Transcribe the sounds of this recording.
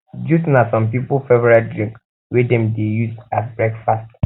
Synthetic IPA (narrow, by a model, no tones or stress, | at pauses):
d͡ʒusnasɔ̃mpipufɛvɛɹadɹĩŋk | wɛdɛ̃mdejusasbɹɛkfast